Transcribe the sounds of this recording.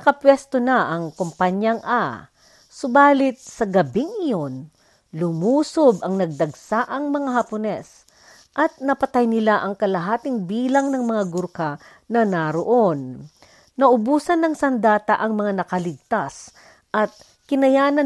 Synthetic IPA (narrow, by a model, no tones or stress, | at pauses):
ɐkɐpwɛst̪onɐʔɐŋkompaɲjɐŋʔa | sobaːlɪt̪̚sɐɡɐbɪŋʔɪjo̞n | lʊmuːsobɐŋnɐɡ̚d̪ɐɡsaʔɐŋmɐŋaɦɐponɛs | ʔɐt̪̚nɐpɐt̪ajnɪlaʔɐŋkɐlɐɦaːt̪ɪŋbiːlɐŋnɐŋmɐŋaɡʊɾka | nɐnaɾoʔo̞nː | ɐʔʊbuːsɐnːɐŋsɐnd̪aːt̪ɐʔɐŋmɐŋanɐkɐlɪɡ̚t̪as | ʔɐt̪̚ | kɪnɐjaːnɐ